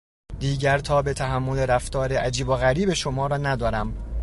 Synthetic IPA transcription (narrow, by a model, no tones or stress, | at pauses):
d̪̥iːɟæɾt̪ʰɒːbe̞t̪ʰæɦæmːo̞le̞ɾæft̪ɒːɾeʔæd͡ʒiːboɣæɾiːbe̞ʃomɒːɾɒːnæd̪ɒːɾæm